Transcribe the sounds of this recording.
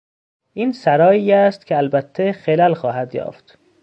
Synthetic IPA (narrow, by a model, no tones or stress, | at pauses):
ʔiːnsæɾɒːjiːæst̪kʲʰeælbæt̪ʰːexelælxɒːɦæd̪jɒ̰ːft̪